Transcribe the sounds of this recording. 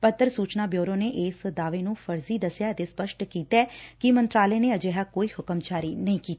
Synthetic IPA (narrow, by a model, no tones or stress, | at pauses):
pət̪ːəɾsuːt͡ʃnaːbjoːɾõːneːʔeːsd̪aːʋeːnũːpʰəɾziːd̪əsjaːət̪eːspəʃʈkiːt̪ɛːkɪmənt̪ɾaːleːneːəd͡ʒeːɦaːkoːiːhʊkəmt͡ʃaːɾiːnəĩːkiːt̪ː